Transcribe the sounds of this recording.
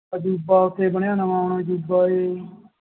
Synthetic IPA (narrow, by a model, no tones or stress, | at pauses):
d͡ʒuːbaːʊt̪ʰːeːbəɳ̃jãːnaːmaːʊɳaːd͡ʒuːbaːeː